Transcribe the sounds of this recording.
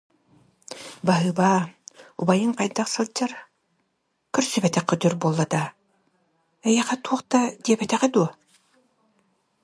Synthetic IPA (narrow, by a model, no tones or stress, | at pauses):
baɦɯːbaːṵbajɯŋqajd̪aqsɯlˠd͡ʒaɾ | kœɾsybɛt̪ɛqːœd̪yɾbuɔlˠːad̪a | ɛjɛχɛt̪uɔχt̪ad̪iɛbɛt̪ɛʁɛd̪uɔ